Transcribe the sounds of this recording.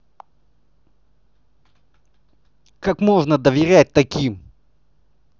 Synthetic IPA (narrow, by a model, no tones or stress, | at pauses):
kakmo̞ʐnəd̪əvʲɪɾʲæt̚ʲt̪ɐkʲim